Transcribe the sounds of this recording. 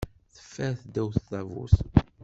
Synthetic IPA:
θə̥fːæɾθd̪ːæwθθˤævṵθ

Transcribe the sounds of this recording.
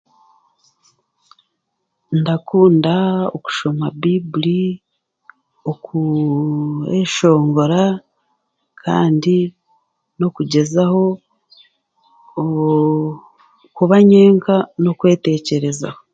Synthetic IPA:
ndakuːndao̰ku̥ʃo̞mabibuli | oku | eʃo̞ːŋɡo̞ɾa | kʰa̰ːndi | no̞kuɟe̞zaho̞ | kuβaɲe̞ːŋkano̞kwe̞ːte̞ːce̞ɾe̞za̰ho

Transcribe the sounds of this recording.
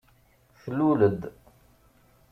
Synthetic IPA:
θəlːuləd̪

